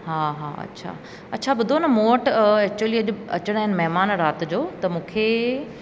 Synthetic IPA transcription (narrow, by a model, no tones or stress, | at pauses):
ɦaːɦa̰ːɐ̰tːɕʰa̰ː | ɐtːt͡ɕʰabʊd̪ʱonɐmoːʈɛk̚t͡ɕuwəliɐʄ̆ɐt͡ɕɽ̃aɦɪnɪmɛɦmaːnɾaːt̪d͡ʑoːt̪ɐmũːkʰe